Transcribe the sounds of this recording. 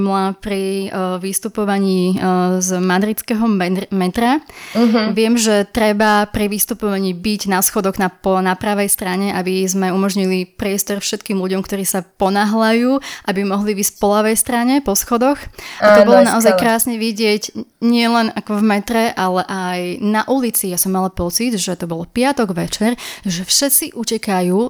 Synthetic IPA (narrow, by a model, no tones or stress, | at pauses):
mlapɾiʋist̪upɔʋaɲiːzmad̪ɾit͡skɛɦɔmɛt̪ɾa | ʋɪɛmʒɛt̪ɾɛbapɾiʋist̪upɔʋaɲiːbiɟnasxɔd̪ɔɣnaɔnapɾaʋɛjst̪ɾaɲɛʔabizmɛumɔʒɲilipɾɪɛst̪ɔɾfʃɛt̪kiːmluɟɔmkt̪ɔɾiːsapɔnaɦlajuːʔabimɔɦlivisʲcpɔlaʋɛjst̪ɾaɲɛpɔsxɔd̪ɔxʔat̪ɔbɔlɔnaaɔzajkɾaːsɲɛʋiɟɪɛɟɲɪɛlɛnakɔvmɛt̪ɾɛʔalɛʔajnaʔulit͡sijasɔmːalapɔt͡sid̪ʒɛt̪ɔbɔlpɪat̪ɔɡʋɛt͡ʃɛɾʒɛfʃɛt͡siʔucɛkajuː